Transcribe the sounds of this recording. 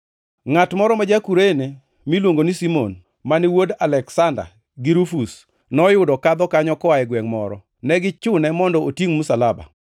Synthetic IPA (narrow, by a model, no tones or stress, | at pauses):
ŋatmɔɾɔmad͡ʒakuɾene | milwoŋɡonisimon | manɪwodalɛksanda̰ | ɡiɾufus | nɔjʊdɔkad̪ɔkaɲɔkɔaɛɡwɛŋmɔ̰ɾɔ̰ | nɛɡɪt͡ʃʊnɛmɔndɔotjiŋmʊsalaba̰